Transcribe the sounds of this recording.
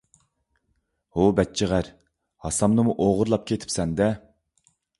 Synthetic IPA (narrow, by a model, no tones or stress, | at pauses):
hobɛt̚t͡ʃʰiʁæɾ | hɑsɑmnɨmuʔoʁʊɾlˠɑp̚kʲʰet̪ʰɪ̥psɛnd̪ɛ